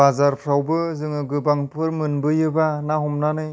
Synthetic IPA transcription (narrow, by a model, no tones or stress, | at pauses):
azaɾpʰɾawbɯzɯŋɯɡɯbaŋpʰɯɾmɯnbɯjɯbanaɦɔmnanɯj